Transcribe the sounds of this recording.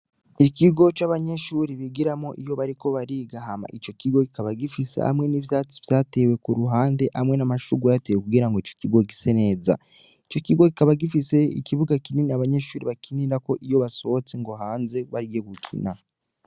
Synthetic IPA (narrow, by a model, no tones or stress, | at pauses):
ikiɡo̞t͡ʃaβaɲe̞ʃuːɾiβiɡiɾamo̞ʔijo̞βaɾiko̞βaɾiːɡaɦama̰ʔit͡ʃo̞kiɡo̞kikaβaɡifisḛha̰mŋe̞nivjaːt͡si̥v̥jaːte̞we̞kuɾuɦaːnde̞ʔamŋe̞namaʃuɡajatewekuɡiːɾaŋɡoit͡ʃo̞̥kiɡo̞ɡisene̞ːza̰ | it͡ʃo̞kiɡo̞kikaβaɡifise̞ḭkiβuɡakininiaβaɲe̞ʃuːɾiβakiniɾako̞ʔijo̞βaso̞ot͡se̞ŋɡo̞ɦaːnze̞βaɾjeβukʰḭna̰